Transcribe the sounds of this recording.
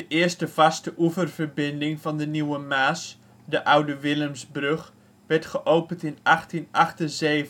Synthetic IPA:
d̥əʔɪərstəvɑstəʔuvərv̥ərbɪndɪŋvɑndəniwəmaːs | dəʔawdəʋɪlˠəmsbrøχ | ʋɛɹtχəʔowpəntɪnɑχtinʔɑχtənzeːv

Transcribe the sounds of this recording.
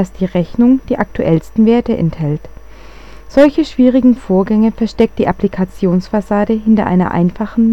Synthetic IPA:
asd̥iːʁɛçnʊŋd̥iːʔak̚tuʔɛlstn̩veːɐtəʔɛ̰nthɛlt | z̥ɔlçəʃv̥iːʁ̞ɪɡŋ̩foːɐɡɛŋəfɛɐʃtɛk̚t̚d̥iːʔaplikʰat͡sjoːnsfasaːdəɦɪntɐ̰ʔa̰ɪnɐ̰ʔa̰ɪnfaχn̩

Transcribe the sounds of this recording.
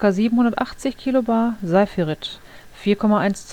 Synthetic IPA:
kaziːbm̩hʊndɐtʔaχt͡sɪçkʰiːlobaɐzaɪfiʁɪt | fiːɐkʰɔmaʔaɪnst͡s

